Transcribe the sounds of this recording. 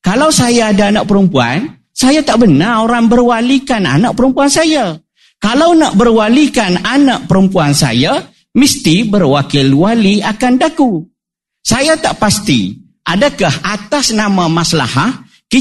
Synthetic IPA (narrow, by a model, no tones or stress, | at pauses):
kalawsajaːdaːnaʔ̚pəɾəmpua̰n | sajat̪aʔbənaoɾaŋbərwalikana̰naʔ̚pəɾəmpuansaja | kalawnaʔbərwalikananaʔ̚pəɾəmpuansa̰ja | məst̪ibərwakɪlwaliakandaku | sajat̪aʔpast̪ḭ | ʔadakahat̪asnamãmasla̰ha | ki